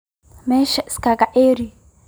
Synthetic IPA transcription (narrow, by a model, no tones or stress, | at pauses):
mɛʃɛskakaʔeɾi